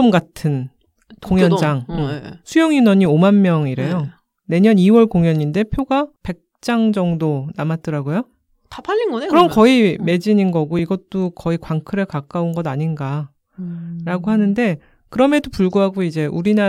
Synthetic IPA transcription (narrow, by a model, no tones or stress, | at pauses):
ʌmɡatʰɯn | koŋjʌnd͡ʑaŋsʰujʌŋinʌɲiomanmjʌŋiɾe̞jo | ne̞ɲʌniwʌɭkoŋjʌɲinde̞pʰjoɡape̞k̚t͡ɕ͈aŋd͡ʑʌŋdonamat̚t͈ɯɾaɡojo | tapaʎːinɡkɯɾʌmkʌime̞d͡ʑininɡʌɡoiɡʌt͈okʌikwaŋkʰɯɾɯɭkak͈aunɡʌdaɲinɡa | ɾaɡoɦanɯnde̞ | kɯɾʌme̞dopuɭɡuɦaɡoid͡ʑe̞ʔuɾina